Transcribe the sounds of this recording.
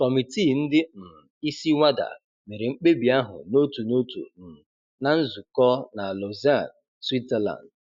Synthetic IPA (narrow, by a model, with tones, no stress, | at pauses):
kɔ˨mi˨ti˦˨n̩˦dɪ˦m̩˨i˦si˦ŋʷa˦da̰˨ | me˨ɾe˨ŋ͡m̩˦k͡pe˦bi˨a˦ɦʊ̰˨no˦tu˨no˦tṵ˨n̩˨ | na˨n̩˦zu˨kɔ˦na˨lo˨za˦˨n | swi˦tɛ˦la̰˨nd